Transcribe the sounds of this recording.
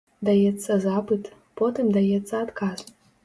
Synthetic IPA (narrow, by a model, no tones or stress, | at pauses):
d̪ajet͡sʰʼːazapɨtʰʼ | pʰotʰemd̪ajet͡sʰʼːaːd̪kʰaz